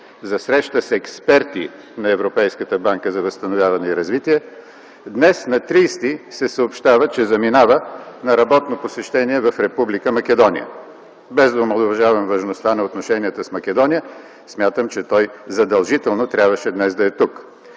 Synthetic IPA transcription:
zɐsɾɛʃt̪əsɛkspɛɾt̪i | nɐɛvɾopɛjskət̪əbaŋkəzɐvɐst̪ɐnovʲjavɐnɛiɾɐzvit̪iɛ | d̪nɛsnɐt̪ɾist̪isɛsəopʃt̪avət͡ʃɛzɐminavənɐɾɐbɔt̪noposɛʃt̪ɛniɛvɐfɾɛpublikəmɐkɛd̪ɔnḭə̰ | bɛzd̪ɐʊmɐlˠʊvɐʒavɐmvɐʒnost̪anɐot̪noʃɛniət̪əsmɐk̟ɛd̪ɔnijə | smʲjat̪əmt͡ʃɛt̪ɔjzɐd̪ɐlˠʒit̪ɛlˠnot̪ɾʲjabvəʃɛd̪nɛzd̪ɐɛt̪uk

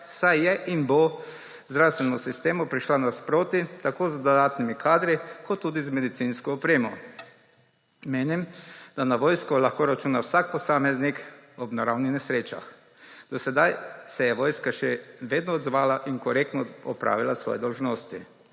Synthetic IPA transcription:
sajjɛʔinbɔ | zd̪ɾawst̪ʋɛnɔsist̪eːmɔpɾiʃlanaspɾoːt̪it̪akoːzd̪ɔd̪aːt̪nimikʰaːd̪ɾikɔt̪ːuːd̪izmɛd̪it̪sinskɔɔpɾeːmɔ | meːnimd̪̥anaʋoːjskɔlaxkoɾat͡ʃuːnawsak̚pɔsaːmɛznikɔbnaɾawnixnɛsɾeːt͡ʃa̰x | d̪̥ɔsɛd̪ajsɛjɛʋoːjskaʃɛʋeːd̪nɔːd̪zʋaːlaʔiŋkɔɾekt̪nɔɔpɾa̰ːʋilasʋɔ̰jɛd̪ɔlʒnoːst̪ḭ

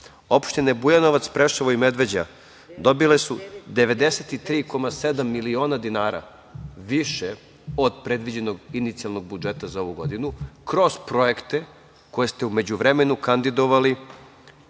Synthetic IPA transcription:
o̞pʃt̪ine̞bujano̞ʋat̪spɾeʃaʋoime̞d̪ʋe̞d͡ʑa̰ | d̪o̞bile̞sud̪e̞ʋe̞d̪e̞set̪it̪ɾiːko̞mase̞d̪amːilio̞ːnad̪inaːɾa̰ | ʋiʃe | o̞d̪pɾe̞d̪ʋid͡ʑe̞no̞ɡinit̪sialˠno̞ɡ̚bud͡ʒe̞t̪azao̞ʋuɡo̞̰d̪inukɾo̞zpɾo̞je̞kt̪e̞ | ko̞je̞st̪e̞ume̞d͡ʑuʋɾe̞me̞nukand̪id̪o̞ʋali

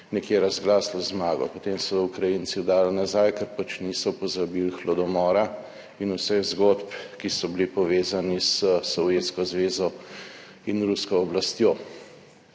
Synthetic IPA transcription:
nɛkjeɾazɡlaːslɔzmaːɡɔ̰pot̪emsɔd̪ɔukɾajinsid̪aːlnazajkɛɾpat͡ʃnisɔpɔzabilxlɔd̪ɔmɔːɾa | inusɛɣzɡot̪pkisɔbilipɔʋeːzanisəsɔwjeːt̪skɔzʋeːzɔ | inɾuskɔːblast̪joː

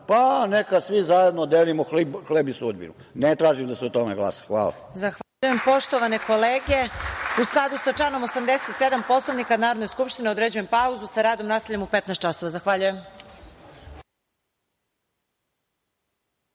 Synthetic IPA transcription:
panekasʋizajed̪nod̪elimoxlibxlebisuod̪̚bḭnṵ | net̪ɾaːʒimd̪asɛot̪omeɡla̰ːsḁxʋa̰ːla̰ | zaxʋauje̞mpo̞ʃt̪o̞ʋane̞ko̞leːɡeusklˠad̪usat͡ʂano̞mosamd̪eset̪sed̪ampo̞slonikanaːɾod̪nojskupʃt̪ineo̞d̪ɾed͡ʑuje̞mpauzusaɾaːd̪o̞mnaːseʎemupet̪naɛst̪t͡ʃaso̞ʋazaxʋaʎujem

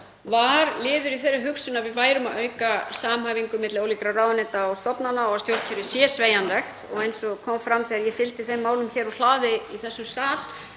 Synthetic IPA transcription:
vaɾlɪːðʏɾiθerːʏɦʏksʏnavɪðvaːjɾʏmaðœːɥkasaːmhaːviŋkʏmɪt̪lɪoːwlikɾaraːwðanɛt̪aːwst̪ɔpnanːaɔɣast̪jowr̥cʰɛɾɪsjɛsveːjanlɛxt̪ɔɣejnsɔkʰɔːmfɾamθiːaɾjɛfɪlt̪ɪθejmːaːwlʏmçɛːɾal̥aːðɪiθɛsːʏmst̪aːl̥

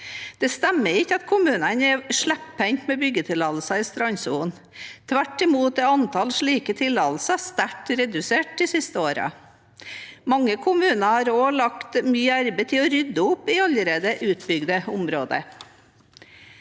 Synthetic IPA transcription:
d̪̥ɛst̪æmːəɾɪçːəɑt̪kʰʊmʉːnənɛɾʂɭæppɛŋt̪mɛbʏɡət̪ʰɪlɑlsɑɪst̪ɾɑɲsuːn | t̪ʰʋæʈːɪmuːt̪ɛɑnt̪ʰɑlʂɭiːkət̪ʰɪlɑlsɑst̪æʈːɾɛd̪ʉseːʈ̚d̪ɪsɪst̪əoːɾɑ̰ | mɑŋːəkʰʊmʉːnɑhɑːɾoːlɑkt̪myːæɾbət̪ʰɪɔɾʏd̪ːəʊpːɪɑləɾeːd̪əʔʉːt̪bʏɡd̪əʊmɾoːd̪ə̰

